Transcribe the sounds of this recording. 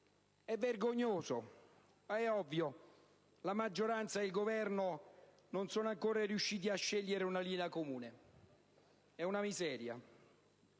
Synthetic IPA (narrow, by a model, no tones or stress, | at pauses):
ɛvːerɡoɲːoːzo | maɛɔvːjo | lamad͡ʒːoɾant̪saeilɡovɛrno | nonsoːnoaŋkoːɾarjuʃːiːt̪̬iaʃːɛʎːeɾeunaliːneakomuːne | ɛunamizɛːɾja̰